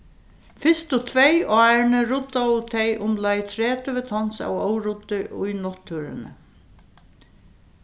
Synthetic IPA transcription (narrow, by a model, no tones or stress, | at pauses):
fɪst̪ʊt̪ʰvɛjɑːɹnɪɾʊt̪ːaʊt̪ʰɛjʔʊmlajt̪ʰɾɛːt̪ɪʋɪt̪ʰɔnsa̰wowɾʊt̪ːɪʔʊjnɔt̪ʰːuɾɪ̰nɪ̰